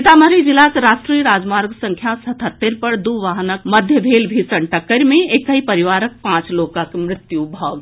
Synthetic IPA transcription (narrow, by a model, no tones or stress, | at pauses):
t̪aməɾid͡ʒilaseɾaʃʈɾijəɾaːd͡ʒmaɾɡsəŋkʰjasət̪ʰət̪ːeɾpəɾd̪uʋaɦnək̚məd̪ʱjəbʱelbʱisəɳʈəkːəɾmẽekəipəɾiʋaɾək̚pãt͡ʃlokakmɾɪt̪jubʱɔːɡ